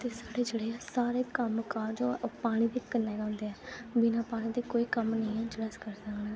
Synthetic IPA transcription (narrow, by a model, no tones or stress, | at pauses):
t̪eːsaːɽeːd͡ʒeːɽeːɛːsaːɾeːkəmkaːɾd͡ʒoːpaːɽ̃ĩːd̪iːkənːɛːɡãːnd̪eːɛːbɪnãːpaːɽ̃iːd̪iːkoːiːkəmnəĩːɛːd͡ʒɽəːskəɾsəknɛ̃ː